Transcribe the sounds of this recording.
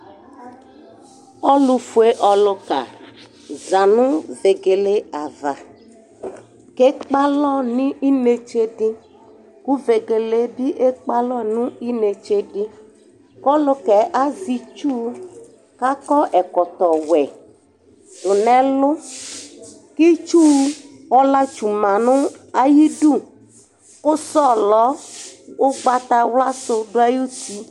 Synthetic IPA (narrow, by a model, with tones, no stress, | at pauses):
ɔ˦lu˧fu˨e˦ʔɔ˨lʊ˧ka̰˨ | za˨nʊ˦ve˨ɡe˨le˦a˨va˨ | ke˦k͡pa˦lɔ˦˨nĩ˦ʔi˦ne˨t͡ʃe˦di˦ | ku˦ve˨ɡe˨le˨˦bi˦ʔe˦k͡pa˦lɔ˦nũ˦i˦ne˨t͡ʃe˦dɪ˦ | kɔ˦lʊ˦kɛ˨ʔa˦zi˧t͡ʃu˦ | ka˦kɔ˦ʔɛ˨kɔ˨t̪ɔ˨wɛ˨ | dʊ˨nɛ̃˨lʊ˦ | ki˦t͡ʃu˦ | ɔ˦la˦t͡ʃu˨mã˨nʊ̃˦a˨ji˦ɖu˦˨ | ʊ˦sɔ˦lɔ˨˦wo˦ɡ͡ba˦t̪a˧wla˦so˧ɖo˦a˦ju˦t̪i˦